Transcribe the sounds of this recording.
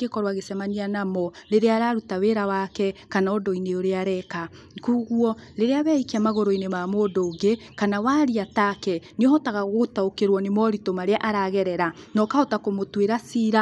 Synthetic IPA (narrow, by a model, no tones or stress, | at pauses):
ekɔɾwaɣesɛmaɲianamɔɾeɾeaɾaɾutaweɾawakɛkanaɔdɔineoɾeaɾɛka | kuːɣuɔɾeɾeaβɛikiamaɣoɾoinemamodoːŋɡekanawaɾiatakɛneɔɦɔtaɣaɣotaokeɾwɔnemɔɾitomaɾeaʔaɾaɣɛɾɛɾanɔkaotakomotweɾasiːɾa